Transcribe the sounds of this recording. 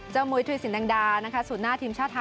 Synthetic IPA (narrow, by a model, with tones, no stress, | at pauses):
t͡ɕaː˥˩wmu˧jt̪ʰu˧jsi˨˩˦nda˧ŋdaː˧na˦˥kʰa˦˥suː˨˩t̪̚naː˥˩t̪ʰiː˧mt͡ɕʰaː˥˩t̪ʰːa˧